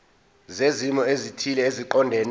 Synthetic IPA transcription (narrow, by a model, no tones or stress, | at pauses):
zezimɔezitʰilɛeziǃɔndʱɛn